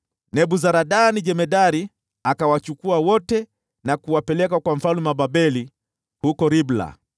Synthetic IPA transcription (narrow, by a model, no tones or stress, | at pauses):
nɛɓuzaɾaɗanid͡ʒɛmɛdaɾi | akawat͡ʃukuawɔtɛ | nakuwapɛlɛk̬akwam̩falumaɓabɛli | hukɔɾibla̰